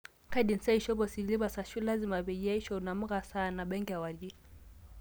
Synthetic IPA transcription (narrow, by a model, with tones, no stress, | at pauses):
ka˦ɗin̩sɛ˦iʃɔ˦βɔsi˨li˦βasa˨ʃu˦la˦zima˨βɛʄa˦i˦ʃɔuna˨m̩˦ɣasana˨ɓɛŋɡia˨wad͡ʒi